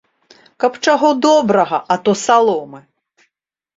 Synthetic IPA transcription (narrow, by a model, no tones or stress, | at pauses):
kɐpt͡ʂaɣɔd̪ɔbɾɐɣɐʔɐt̪ɔsalˠɔmɨ